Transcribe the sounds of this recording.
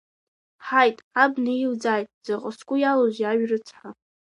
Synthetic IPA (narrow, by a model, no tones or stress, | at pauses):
ħajtʼabnaild͡zajtʼz̥aqʼəskʷʼʊjalozaɥrɨt͡sʰħa